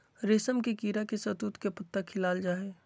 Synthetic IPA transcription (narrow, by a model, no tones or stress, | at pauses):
ɾeːsəmkekiːɾakesət̪uːt̪kepət̪ːakʰɪlaːld͡ʒaːɦeː